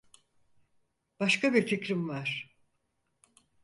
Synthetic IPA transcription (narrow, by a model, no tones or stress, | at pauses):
b̥aʃkʰabiɾt̪ʰicɾimvaɾ̥